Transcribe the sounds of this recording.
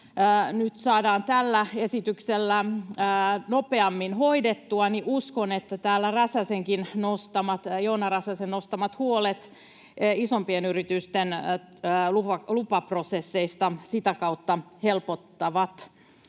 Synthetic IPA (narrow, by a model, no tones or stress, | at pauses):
nyt̪sɑːdɑːnt̪ælːæe̞sit̪ykselːæ | nopeɑmːinho̞idet̪ːuɑniʔuskonet̪ːæt̪æːlːærɑsæseŋkinnost̪ɑmɑt̪jonɑrɑsæsennːost̪ɑmɑt̪huolet̪ː | isompienyrit̪yst̪en | luɑlupɑprosesːeist̪ɑsit̪ækɑut̪ːɑhelpot̪ːɑʋɑt̪